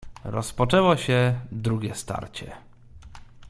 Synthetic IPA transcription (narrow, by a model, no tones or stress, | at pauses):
ɾɔspɔt͡ʂɛwɔɕɛd̪ɾuɡʲjɛst̪a̰ɾt͡ɕɛ